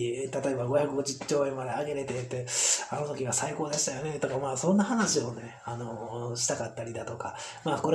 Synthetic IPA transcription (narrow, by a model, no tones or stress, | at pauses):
t̪at̪o̞e̞baɡo̞çakɯɡo̞d͡ʑɨt͡ɕoːẽmːad̪eaɡe̞ɾe̞t̪e̞t̪ːeano̞t̪o̞kʲiɡasaiko̞ːd̪aɕi̥t̪ajo̞ne̞t̪o̞kamaːsõ̞nːaɦanaɕio̞ne̞ | anoɕi̥t̪akat̪ːaɾʲid̪at̪o̞ka | maːko̞ɾ